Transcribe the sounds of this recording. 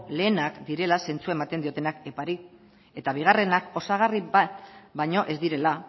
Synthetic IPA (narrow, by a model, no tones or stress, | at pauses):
le̞ːnakd̪iɾe̞lase̞nt͡suaemat̪e̞nd̪io̞t̪e̞nake̞paɾi | e̞t̪aβ̞iɣare̞nako̞saɣ̞ari | bajɲo̞ʔe̞zd̪iɾe̞la